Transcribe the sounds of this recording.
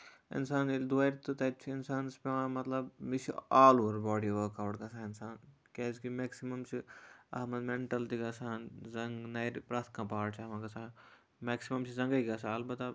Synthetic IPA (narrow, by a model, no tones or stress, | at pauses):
ɪ̰nsaːnild̪uaɾt̪ɨt̪ɐp̚t͡ʃʰiːnsaːnspeãːmɐt̪lɐbmisʰiaːloːɐɾbaːɽiʋəkaːʈkɐsʰãːɪnsaːn | keːskimeːksimɐmt͡ʃʰiɐɦmɐd̪meɳʈɐlt̪iɡɐsaːnzɐŋɡnɐjɾpɾɐt̪ʰkãːpaːɽt͡ʃʰiɐmãːkɐsãː | meːksimɐmt͡ʃʰizɐ̃ŋɡɐiɡɐsʰaɐlbɐt̪a